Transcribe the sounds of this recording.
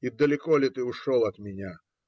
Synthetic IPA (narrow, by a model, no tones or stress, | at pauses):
id̪ɐlʲɪkɔlʲɪt̪ɨʊʂɔlˠɐt̪mʲɪnʲa